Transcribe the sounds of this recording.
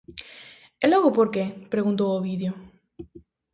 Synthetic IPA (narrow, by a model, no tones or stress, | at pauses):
eloɣopoɾkepɾeɣunt̪̬owoβiðjo